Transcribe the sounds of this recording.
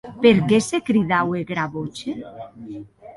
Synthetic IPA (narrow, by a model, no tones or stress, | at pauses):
peɾkesekɾiðaweɣɾaβot͡ʃe